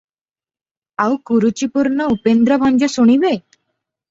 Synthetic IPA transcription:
awkuɾut͡ɕipuɾɳəupend̪ɾəbʱãɲd͡ʑəsoɽ̃iʋe

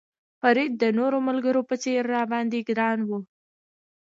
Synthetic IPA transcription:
faɾid̪̚ːənoɾomalɡəɾopət͡seɾːɑbɑnd̪iɡɾɑnwu

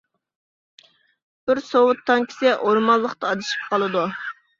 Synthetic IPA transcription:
b̥ɪɾsowʊt̪ʰːɑŋkʲʰi̥sɛʔoɾmɑlˠːəχt̪ɑːd̪ɨʃi̥p̚qɑlˠɨd̪u

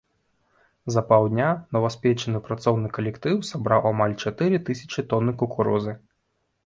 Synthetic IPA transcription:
zɐpawˠd̪ʲnʲanɔvɐsʲpʲɛt͡ʃɐnɨpɾat̪sɔwnɨkɐlʲɛkt̪ɨwsabɾawamalʲt͡ʃat̪ɨɾɨt̪ɨsʲɐ̥t͡ʃit̪ɔnːɨkukuɾɔzɨ

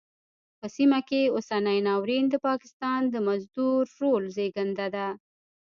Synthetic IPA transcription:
pəsimakeosanəjnɑwɾind̪əpɑkɪ̥st̪ɑnd̪əmazd̪uɾːolzeɡand̪ad̪a

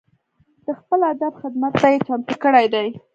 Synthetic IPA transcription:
d̪̥əxpəlad̪abxɪd̪mat̪ːajet͡ʃɑnt̪əkəɽajd̪aj

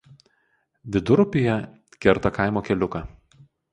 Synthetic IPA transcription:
ʋʲɪd̪ʊɾʊpʲɪjɛ | kʲɛɾt̪ɐkaˑɪmoːkʲɛlʲʊkɑː

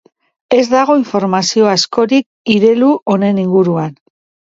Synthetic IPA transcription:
e̞zd̪aɣ̞o̞iɱfo̞ɾmasio̞asko̞ɾik̚ | iɾe̞luʔo̞ne̞niŋɡuɾuan

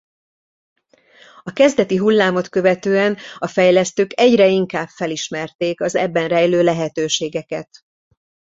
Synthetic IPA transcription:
ɒkɛzd̪ɛt̪iɦulːaːmo̞t̪kø̞vɛt̪øːɛnɒfɛjlɛst̪øːkɛɟrɛiŋkaːbfɛliʃmɛrt̪eːkɒzɛ̰bːɛnrɛjløːlɛɦɛt̪øːʃeːɡɛkɛt̪

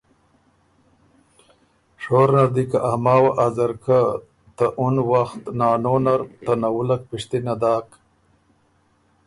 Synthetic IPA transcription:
ʂoːɾnaɾd̪ikaʔamɑːwaʔazaɾka | t̪aʔunwaxt̪nɑːnonaɾt̪anawulak̚piʂt̪inad̪ɑːk

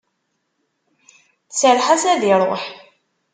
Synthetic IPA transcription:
θt͡sːəɾħasæðiɾˤo̰ħ

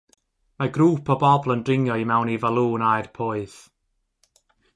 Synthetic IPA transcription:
maɡɾuːpʰɔbɔblˠəndrɪŋjɔimɛwnivalˠuːnajrpʰoːɨθ

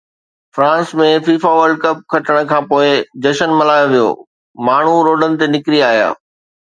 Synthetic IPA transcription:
fɾãːnsmẽfiːfaʋəɾɖ̚kɐp̚kʰɐʈəɽ̃ə̆kʰãːpoːɪd͡ʑɐʃənmɐlaːjoʋijo̰ː | maːɳ̤uɾoːɖənɪ̆t̪enɪkɾiaːɦija̰ː

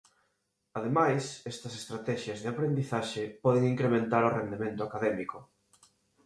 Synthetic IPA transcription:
aðemajsɛst̪ɐsest̪ɾat̪ɛʃjɐzðɪapɾend̪iθaʃepɔð̞eŋiŋkɾemẽnt̪aɾʊrend̪emẽnt̪ʊakaðɛmikʊ

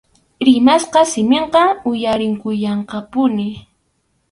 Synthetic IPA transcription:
ɾɪmasqɑsɪmeɴqɑʊjaɾɪŋkʊjɑɴqɑpʊnɪ

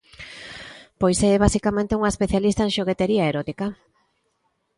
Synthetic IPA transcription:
pojsɛɛβ̞asikamẽnt̪euŋaespeθjalist̪aeŋʃoɣ̞et̪eɾiaeɾɔt̪ika

